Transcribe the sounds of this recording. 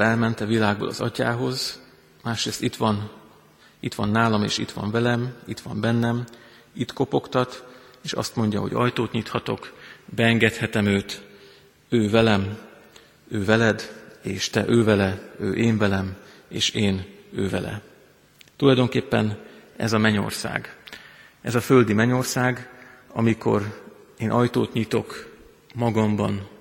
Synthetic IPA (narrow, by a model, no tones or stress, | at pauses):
ɛlmɛnt̪ɛvilaːɡ̚bo̰ːlɒ̰zɒca̰ːɦo̞z | maːʃɾeːst̪it̪ʋɒn | it̪ʋɒnːaːlɒmḛːʃit̪ʋɒ̰ɱvɛlɛmit̪ʋɒmbɛnːɛm | it̪ko̞po̞kt̪ɒt̪eːʃɒ̰st̪mo̞ɲɟɒ̰ɦoɟɒ̰jt̪oːt̪ɲit̪hɒt̪o̞kbɛɛŋɡɛt̪hɛt̪ɛmøːt̪ | øːvɛlɛm | øːvɛlɛd̪eːʃt̪ɛʔøːvɛlɛøːʔeːɱvɛlɛm | ḛːʃeːnøːvɛ̰lɛ̰ | t̪ulɒjd̪o̞ŋkeːpːɛnɛ̰zɒmɛɲo̞̰rsa̰ːɡ | ɛzɒfø̞ld̪imɛɲo̞rsaːɡɒ̰miko̞̰reːnʔɒjt̪oːt̪ɲit̪o̞k | mɒɡɒmbɒn